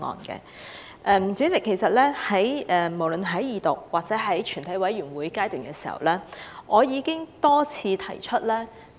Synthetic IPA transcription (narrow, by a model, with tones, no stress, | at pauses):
ŋɔ̰ː˨nkɛ̰˧ | ʔɛː˧m˨˩t͡sy˨˥t͡sɪ˨kʰːe˨˩jsɐ˨t̚lɛː˥hɐ˨˥jɛː˨mo˨˩wlɵ˨nɦɐ˨˥jjiː˨˧t̪o˨˩k̚waː˨k̚t͡sɛː˨˥ɦɐ˨˥jt͡ʃʰyː˨˩nt̪ʰɐ˨˥jwɐ˨˥jɥyː˨˩nwuː˨˥jkaː˥jt̪yː˨nkɛ˧siː˨˩hɐ̰˨wlɛː˥ʔɔː˨˧jiː˨˧kɪ˥ŋt̪ɔː˥t͡sʰiː˧t̪ʰɐ˨˩jt͡ʃʰɵ˥t̚lɛː˥